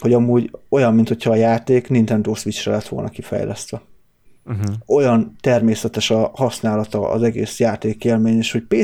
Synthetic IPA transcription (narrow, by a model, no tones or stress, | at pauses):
ho̞ɟɒmuːɟo̞jɒmːint̪ho̞cʰhɒːjaːt̪eːknint̪ɛnd̪oːsʋit͡ʃrɛlɛt̪ʋo̞lnɒkifɛ̰jlɛ̰st̪ʋɛ | o̞jɒnt̪ɛrmeːsɛt̪ɛʃɒhɒsnaːlɒt̪ɒɒ̰zɛɡeːsjaːt̪eːkeːlmeːɲeʃho̞cpeː